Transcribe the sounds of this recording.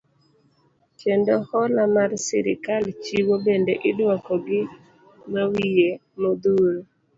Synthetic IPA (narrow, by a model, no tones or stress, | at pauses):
t͡ʃendohɔlamarsɪɾɪ̰kalt͡ʃiwobendeʔɪdwakɔɡɪ | mawije | mod̪uɾo